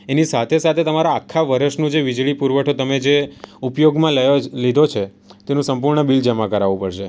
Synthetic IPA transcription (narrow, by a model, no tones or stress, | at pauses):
enisat̪ʰesat̪ʰet̪əmaɾaːkʰːaʋəɾəʃnũd͡ʒeʋid͡ʒɭipuɾʋəʈʰot̪əmed͡ʒeupjoɡmãləlid̪ʱot͡ʃʰe | t̪enũsəmp̬uɾɳəbild͡ʒəmakəɾaʋũpəɽʃe